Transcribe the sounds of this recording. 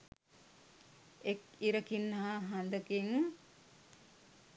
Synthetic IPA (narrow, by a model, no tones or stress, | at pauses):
ek | iɾəkinːəɦaɦand̪əkiŋ